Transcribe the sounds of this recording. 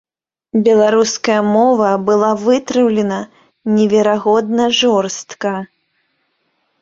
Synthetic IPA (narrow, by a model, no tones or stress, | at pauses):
bʲɛlˠaɾuskɐjɐmɔvɐbɨlˠavɨt̪ɾɨwlʲɛnɐ | nʲɛvʲɛɾaɣɔd̪nɐʐɔrst̪kɐ